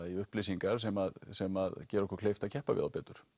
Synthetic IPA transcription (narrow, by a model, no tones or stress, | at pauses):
iʏhplesiŋkaɾ̥sɛmaðsɛmaðcɛːɾɔhkʏɾ̥kʰleːjft̪acʰɛhpavɪ̰ða̰wpɛːt̪ʏɾ̥